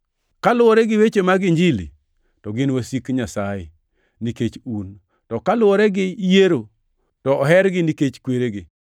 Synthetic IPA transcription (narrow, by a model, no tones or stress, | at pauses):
kalʊɔɾɛɡɪwet͡ʃemaɡɪɲd͡ʒɪlḭ | tɔɡɪnwasikɲasaje | niket͡ʃun | tɔkalʊɔɾɛɡɪjeɾo | tɔːɦɛɾɡɪniket͡ʃkweɾeɡɪ